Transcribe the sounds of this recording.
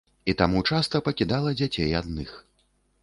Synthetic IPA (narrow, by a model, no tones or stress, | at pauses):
it̪amut͡ʂast̪ɐpɐkʲid̪alˠɐd͡zʲat͡sʲejad̪nɨx